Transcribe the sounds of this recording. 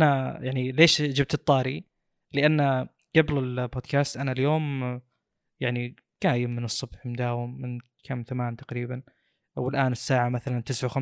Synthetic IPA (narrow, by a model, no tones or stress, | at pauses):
ʔanajaʕnileːʃd͡ʒɪb̚t̪ɨt̪ˤːɑːɾi | lɪʔanːa | ɡ̥ablɪlboːd̪̚kaːst̪ʔanaljoːm | jaʕni | ɡ̥aːjɪmːɪnɨsˤːʊbħmʊd̪aːwɪmːɪn | kʰamːθamaːnt̪ḁqɾiːban | wɪlʔaːnɪsːaːʕamaθalant̪ɪsʕawxam